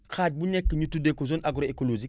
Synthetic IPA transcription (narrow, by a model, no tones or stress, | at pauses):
xaːɟ̚buɲekːəɲutudekːozonʔaɡuɾoekolod͡ʒik̚